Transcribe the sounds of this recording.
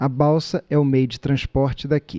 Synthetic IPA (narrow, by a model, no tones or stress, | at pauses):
ɐbawsɐɛʊmejʊd͡ʒɪt̪ɾɐ̃spɔɾt͡ʃɪd̪akḭ